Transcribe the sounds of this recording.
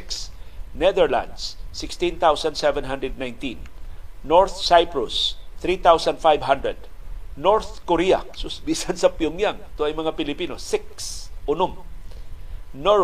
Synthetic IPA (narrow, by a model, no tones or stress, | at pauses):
ksnɛðɛɹla̰nd̪sːɪkst̪ĩnt̪awsand̪sɛvɛ̃nɦand̪ɹɛd̪̚najnt̪ĩnː | ɔɹθsajpɹʊsθɾit̪awsand̪fajvɦand̪ɹɛd̪̚ | noɹθkoɾiasʊsbisansɐpjʊŋjaŋt̪oajmɐŋapɪlɪpinosɪksʔʊnʊm | no